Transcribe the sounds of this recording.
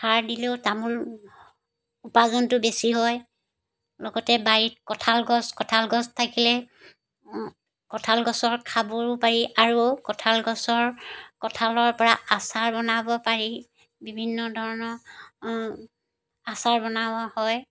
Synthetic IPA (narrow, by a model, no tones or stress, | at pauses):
hʰaɹdiletamʊɹ | upazɔntʊbesiɦɔj | lɔɡɔtɛbaɹit̚kɔtʰalɡɔskɔtʰalɡɔstʰakilɛ | kɔtʰalɡɔsɔɹkʰabɔɹpaɹiʔaɹukɔtʰalɡɔsɔɹkɔtʰalɔɹpɔɹaasaɹbɔnabɔpaɹi | bibʱinːɔdʱɔɹɔnɔɹ | asaɹbɔnawahɔj